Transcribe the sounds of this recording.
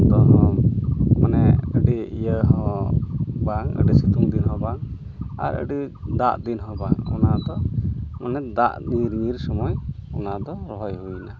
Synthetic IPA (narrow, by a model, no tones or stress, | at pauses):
t̪ɔɦɔ̃ | manɛəɖiijəɦɔ | baŋə̰ɖisit̪uŋd̪inɦɔ̃baŋ | a̰ɾə̰ɖid̪aʔd̪inɦɔ̃baŋɔnad̪ɔmanɛd̪aʔniɾmiɾsɔmɔjɔnad̪ɔɾɔɦɔjɦuna